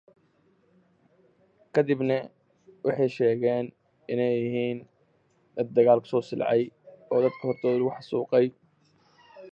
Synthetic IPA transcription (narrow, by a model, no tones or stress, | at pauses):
kʰɐd̪ɪbnɐ | wʔɑħɑjʃɛːɣɛːn | ʔɪnɛjɪɦiːn | d̪ɐd̪ɐɣaːlkʰʊ̥sɔːsɪl̰ʕɑjɔːd̪ɐd̪kʰʊhɔrt̪ʰɔːðʊʊħɑsuːqɛj